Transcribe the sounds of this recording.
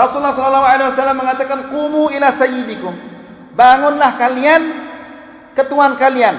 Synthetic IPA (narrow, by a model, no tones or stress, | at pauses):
rɔsulːahsɔlɔlːaɦwaʕalawasalːamːəŋat̪akanqumuilasajid̪ikʊm | baŋʊnlahkalian | kət̪uankalian